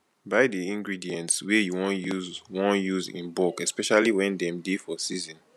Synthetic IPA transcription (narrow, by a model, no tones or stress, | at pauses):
baɪdiĩŋɡɹidiɛ̃ntswejuwɔ̃nuzwɔ̃njuzḭ̃nbɔkɛspɛʃaliwɛ̃ndɛ̃mdefɔsizɔ̃n